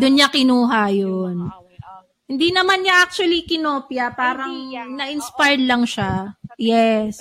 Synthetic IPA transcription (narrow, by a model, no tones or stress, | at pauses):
d̪ʊnɲakɪnuːɦajon | hɪnd̪inɐmanɲaʔak̚t͡ʃʊwɐlikɪnoːpjɐpaːɾɐŋnɐʔɪnspajd̪lɐŋʃajɛs